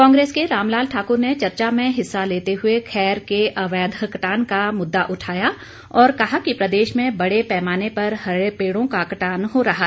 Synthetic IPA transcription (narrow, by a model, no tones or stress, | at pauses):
kɔ̃ːŋɡɾeːskeɾaːmlaːlʈʰaːkʊɾnet͡ʃɐɾt͡ʃamẽɦɪsːaleːt̪eɦʊekʰɛːɾkeʔɐʋɛːd̪ʱəkɐʈaːnkamʊd̪ːaʔʊʈʰaːja | ɔːɾkɐɦakipɾɐd̪eːʃmẽbɐɽepɛːmaːnepɐɾɦɐepeːɽõkakɐʈaːnɦoɾɐɦa